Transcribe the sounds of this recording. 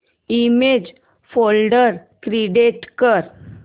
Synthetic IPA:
imed͡ʑ | folɖəɾ | kɾiɖeʈkəɾ

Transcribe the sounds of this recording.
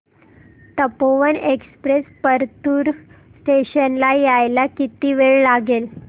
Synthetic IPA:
t̪əpoʋənekspɾespəɾt̪uɾ | sʈeɕənlajajlakit̪iːʋeɭlaɡel

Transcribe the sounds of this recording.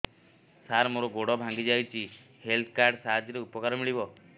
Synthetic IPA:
saɾmoɾɔɡoɽɔbʱãŋɡid͡ʒajt͡ʃʰi | helt̪ʰkaɾɖsaɦad͡ʒjɔɾeupɔkaɾɔmiɭibɔ

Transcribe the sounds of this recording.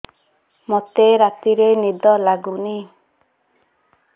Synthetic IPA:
mɔt̪eɾat̪iɾenid̪ɔlaɡuni

